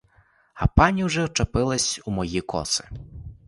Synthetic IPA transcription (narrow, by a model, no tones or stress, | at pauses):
ɐpɑnʲiwʒɛwt͡ʃɐpɪlˠɐsʲumɔjikɔ̰sɪ̥